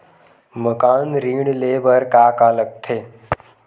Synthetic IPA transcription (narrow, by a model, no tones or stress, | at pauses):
məkaːnɾiːɳleːbəɾkaːkaːlək̚t̪ʰeː